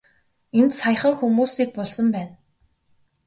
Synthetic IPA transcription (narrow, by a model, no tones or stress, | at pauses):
ent̪saj̆χə̆ŋxumuːsiːk̚pɔɮsɞ̆mpæːn